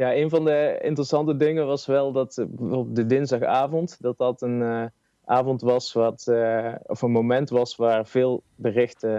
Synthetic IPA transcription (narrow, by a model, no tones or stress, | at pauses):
jaːejnvɑndəɪ̰ntərəsɑntədɪŋənʋɑsʋɛlˠdɑtbəvoːbədədɪnzdɑxaːvɔntd̥ɑt̚dɑtən | ʔaːvɔntʋɑsʋɑt | ɔfənmomɛntʋɑsʋaːrv̥ɪːlˠ | bərɪxtə